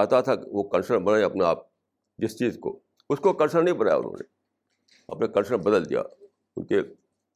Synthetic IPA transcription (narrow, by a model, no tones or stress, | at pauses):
at̪at̪ʰaʋokɐ̃nsəɾbɐnaːẽɐpnea̰ːp̚ | d͡ʒɪst͡ʃiːzko̰ | ʊskokɐ̃nsəɽ̃nɐĩbɐnaːja̰ʊ̰nɦõ̰ːnḛ | ɐpnekɐ̃nʃə̃bɐd̪əld̪ija̰ | ʊnke